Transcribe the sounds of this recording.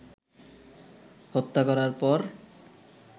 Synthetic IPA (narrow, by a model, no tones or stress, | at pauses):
hot̪ːakɔɾaɾpɔɾ